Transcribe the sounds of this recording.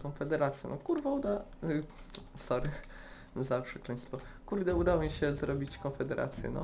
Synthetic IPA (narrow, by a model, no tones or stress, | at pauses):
kɔnfɛd̪ɛɾat̪sʲjɛ̰nɔkuɾvaud̪a | sɔɾɘ | zafʂɛkaj̃st̪fɔkuɾd̪ɛud̪awɔmʲiɕɛzɾɔbʲit͡ɕkɔnfɛd̪ɛɾʔa̰t̪sʲjɛ̰nɔ̰